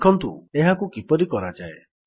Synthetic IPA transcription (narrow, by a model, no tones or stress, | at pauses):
kʰɔnt̪ueɦakukipɔɾikɔɾad͡ʒae